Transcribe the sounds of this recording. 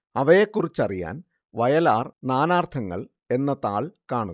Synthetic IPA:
ɐʋɐjekːurit͡ɕːɐrija̰ːn | ʋɐjɐlaːrnaːnaːrt̪ʰɐŋːɐ̰ɭ | e̞nːɐt̪aːɭkaːɳu

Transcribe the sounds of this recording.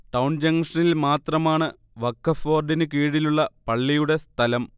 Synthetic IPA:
ʈɐwɳd͡ʑɐŋʂɐnilmaːt̪rɐmaːɳɨ | ʋɐkːɐfoːrɖinɨkiːɽiluɭːɐpɐɭːijuɽe̞st̪ʰɐlɐm

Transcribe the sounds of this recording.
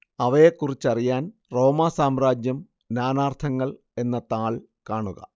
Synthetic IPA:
ɐʋɐjekːurit͡ɕːɐrijaːnro̞ːmasaːmraːd͡ʑjɐm | naːnaːrt̪ʰɐŋːɐɭ | e̞nːɐt̪aːɭ | kaːɳuɣɐ̰

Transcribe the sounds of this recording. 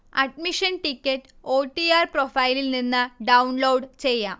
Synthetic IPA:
ɐɖmiʂɐnʈikʲːɐʈːɨ̥oːʈːiaːrprofɐjililninːɨɖɐwnloːɖt͡ɕe̞jːaːm

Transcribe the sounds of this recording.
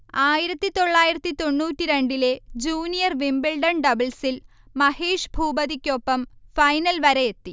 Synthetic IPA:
aːjiɾɐt̪ːit̪o̞ɭːaːjiɾɐt̪ːit̪o̞ɳːuːtːiɾe̞ɳɖile̞d͡ʑuːnijɐrʋimbiɭɖɐɳɖɐbɐlsil | mɐheːʂbʱuːbɐðikʲːopːɐmfɐjnɐlʋɐɾejet̪ːi

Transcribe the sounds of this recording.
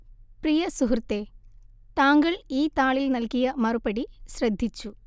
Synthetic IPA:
prijɐsuɦurt̪ːeː | t̪aːŋɡɐɭiːt̪aːɭilnɐlkijɐmɐrupɐɽiɕrɐd̪ʱːit͡ɕːu

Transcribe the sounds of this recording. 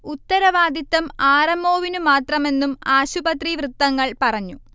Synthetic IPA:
ut̪ːɐɾɐʋaːd̪it̪ːɐmaːrɐmo̞ːʋinumaːt̪rɐme̞nːumaːɕubɐt̪riʋrɨt̪ːɐŋːɐɭpɐrɐɲːu

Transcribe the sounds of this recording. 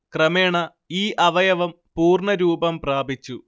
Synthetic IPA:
krɐmeːɳɐ | iːʔɐʋɐjɐʋɐm | puːrɳɐɾuːbɐmpraːbʱit͡ɕːu

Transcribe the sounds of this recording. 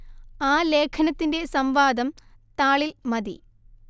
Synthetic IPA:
aːle̞ːkʰɐnɐt̪ːinde̞sɐmʋaːd̪ɐmt̪aːɭilmɐd̪ḭ

